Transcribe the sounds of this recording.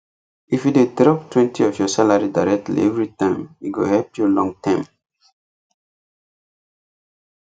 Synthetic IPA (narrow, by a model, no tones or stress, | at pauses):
ifjudedɹɔp̚twɛ̃ntʰiɔfjɔsalaɹidaɹɛk̚tlḭɛvɹitãɪ̃miɡo̰hɛlpjulɔ̃ŋtʰãɪ̃m